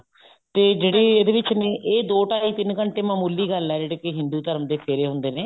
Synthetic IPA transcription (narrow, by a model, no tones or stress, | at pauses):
t̪eːd͡ʒeːɽeːeːd̪eːʋɪt͡ʃneːʔeːd̪oːʈaːiːt̪ɪnkəɳʈeːmaːmuːliːɡəlɛːd͡ʒeːɽeːkeɦɪnd̪uːt̪əɾəmd̪eːpʰeːɾeːɦʊ̃nd̪eːneː